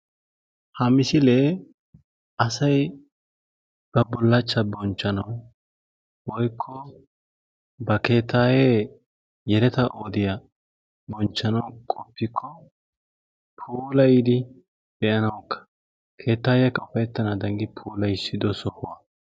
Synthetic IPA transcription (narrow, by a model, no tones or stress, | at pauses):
hɐmɪsɪleː | ɐsɐj | b̥ɐbɔlːɐt͡ʃːɐbɔnt͡ʃːɐnɐw | wɔjkʰːɔ | bɐke̞ːt̪ʰːaːje | jɛɾɛt̪ɐʔoːd̪ɪjɐ | bɔnt͡ʃːɐnɐwkʼɔpːɪkʰːɔ | pʰuːlɐjɪd̪ɪ | b̥ɛʔɐnɐwkʰːɐ̥ | kʰe̞ːt̪ːaːjɛkːɐʊfɐjɛt̪ːɐnad̪ɐŋɡɪpʰuːlɐjsɪd̪ɔsɔhʊwɐ